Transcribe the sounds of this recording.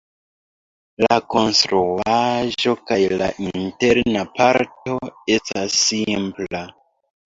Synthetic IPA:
lako̞nstɾuaʒo̞kajla̰ʔinteɾnapaɾto̞e̞stasːimpla

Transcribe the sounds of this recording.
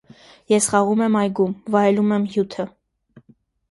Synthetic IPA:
jɛsχɑʁumɛmɑjɡumvɑjɛlumɛmjut̪ʰə

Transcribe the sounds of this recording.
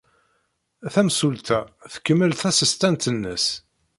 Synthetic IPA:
θæmsult̪æθə̥kːəmːəlθæsist̪ænt̪ənːəs

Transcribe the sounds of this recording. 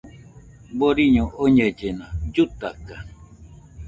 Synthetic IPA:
boɾiɲoʔoɲəd͡ʒenãd͡ʒut̪aka

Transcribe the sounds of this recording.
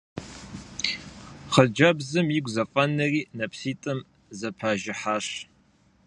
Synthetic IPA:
χəd͡ʒɐbzɨmjiɡʷzɐfʼɐnːɐriːnɐpsiːtʼɨm | zɐpʰaːʒɪħaːʂ

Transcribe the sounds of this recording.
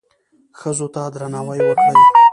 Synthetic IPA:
xəzot̪ad̪ɾanɑwəjwəkɽə

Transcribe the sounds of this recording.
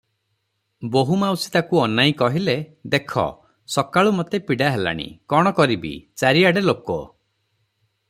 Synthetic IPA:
boɦumawsi̥t̪akuɔnajĩkɔɦiled̪ekʰɔ̰ | sɔkaɭumot̪epiɽaɦela̰ɽ̃ḭkɔɽ̃ɔkɔɾibḭt͡ʃaɾiaɽelokɔ̰

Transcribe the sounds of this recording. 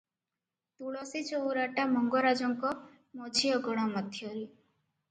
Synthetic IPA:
t̪uɭɔsit͡ʃowɾaʈamɔŋɡɔɾad͡ʒɔŋkɔ | mot͡ʃʰijɔɡɔɽ̃ɔmɔd̪ʱjɔɾi

